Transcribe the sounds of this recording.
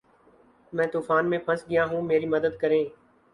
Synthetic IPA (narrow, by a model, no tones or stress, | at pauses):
mɛ̃ːt̪uːfaːnmẽːpʰəsɡɪjãːɦũːmeːɾiːməd̪əd̪kəɾẽː